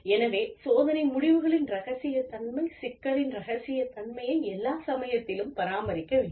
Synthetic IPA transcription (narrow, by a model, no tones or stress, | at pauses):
ɛnɐʋeːsoːðɐnɐɪmʊɽɪʋɯɣɐɭɪnɾɐɣɐsɪjɐt̪ːɐɳmɐɪsɪkːɐɭɪnɾɐɣɐsɪjɐt̪ɐɳmɐjɐɪɛlːaːsɐmɐjɐt̪ːɪlɯmpɐɾaːmɐɾɪkːɐʋeːɖ